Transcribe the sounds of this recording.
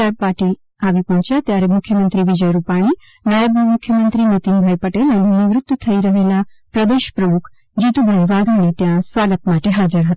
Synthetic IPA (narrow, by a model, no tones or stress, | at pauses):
apaʈi | aʋipɔɦɔ̃t͡ʃjat̪jaɾemʊkʰjəmənt̪ɾiʋɪd͡ʒəjɾupaɽ̃i | najəbmʊkʰːjəmənt̪ɾinet̪ɪnbʱajpəʈelɛnenɪʋɾʊt̪ːt̪ʰəiɾəɦelapɾəd̪eʃpɾəmʊkʰ | d͡ʒit̪ubʱənʋaɡañit̪jãsʋaɡət̪maʈeɦad͡ʒəɾɦət̪a